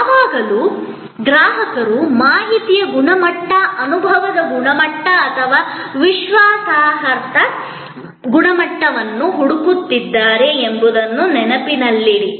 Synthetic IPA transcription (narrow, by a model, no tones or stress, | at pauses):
ɦaːɡɐlu | d̪ɾaːɦɐkɐɾumaːɦit̪ijɐɡuɳɐmɐʈːɐʔɐnubʱɐʋɐd̪ɐɡuɳɐmɐʈːɐːt̪ʰɐʋaːʋiʃʋaːsaːɦɐɾt̪ɐ | ɡuɳɐmɐʈːɐʋɐnːuɦuɽukut̪ːid̪ːaːɾe̞ːmbud̪ɐnːunɛnɐpinɐlːiɽi